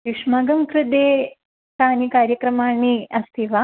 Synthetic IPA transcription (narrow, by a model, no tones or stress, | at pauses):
jiʂmaːɡɐmkɾɪd̪eː | t̪aːnikaːɾjɐkɾɐmaːɳiɐst̪ʰiʋa